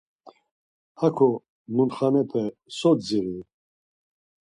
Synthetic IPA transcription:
akʰɔ | munt̪χanɛt̪ʰɛsɔd͡ziɾi

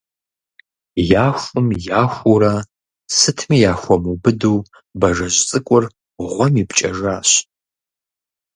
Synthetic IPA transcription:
jaːxʷʊmjaːxʷuɾa | sɨtʰmiːjaːxʷɔmubɨduː | bɐʒɐʑt͡sʼɨkʷʼʊr | ʁʷɔmipʰt͡ʃʼɐʒaːɕ

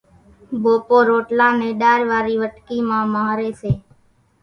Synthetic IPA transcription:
bʱoːpoːɾoːʈlãːneːɗaːɾʋaːɾiːʋəʈkiːmãːmaːɾeːseː

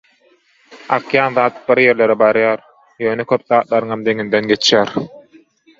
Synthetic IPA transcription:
ɑ̰qjɑːnðɑːt̪̚b̥iɾje̞ɾle̞ɾebɑɾjɑːɾ | jøːnekʲʰøp̚ðɑːt̪̚lˠɑɾɯŋɑmd̪e̞ŋind̪enɡe̞t͡ʃʰjæːɾ

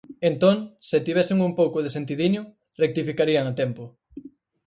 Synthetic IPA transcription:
ent̪oŋset̪iβɛsɪŋumpowkʊðesent̪iðiɲʊ | rek̚t̪ifikaɾiaŋat̪ɛmpʊ

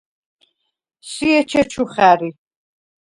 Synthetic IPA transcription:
siɛt͡ʃʰɛt͡ʃʰuχæɾi

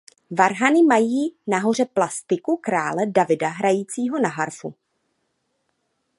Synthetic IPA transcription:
vaɾɦanɪmajiːnaɦo̞r̝ɛplast̪ɪkukɾaːlɛdavɪdaɦɾajiːt͡siːɦo̞naɦaɾfṵ

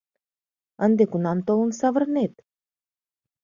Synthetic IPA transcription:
ənd̪ekunɑmt̪olunsavərnet̪̚

